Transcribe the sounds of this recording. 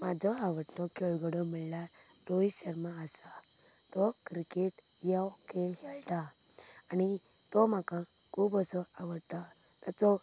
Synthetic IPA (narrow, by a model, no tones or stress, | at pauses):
mad͡zʱɔaʋəʈlɔkeɭɡɔɽɔmiɭlja | ʈoiɕəɾmaːsa | t̪ɔkɾikeʈ | jakeɦɛlt̪aː | ni | t̪ɔmakã | kʰuːbəsɔaʋəɽt̪a | t̪at͡sɔ